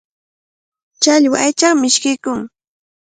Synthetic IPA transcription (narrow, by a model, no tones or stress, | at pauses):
t͡ʃaʎwaʔajt͡ʃaχmɪʃkɪjkʊŋ